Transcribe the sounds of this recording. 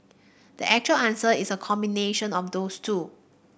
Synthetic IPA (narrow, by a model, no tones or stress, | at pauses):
d̥ḭʔɛk̚t͡ʃuəlãnsəisəkʰɔ̃mbineʃə̃nɔfdoːstʰuː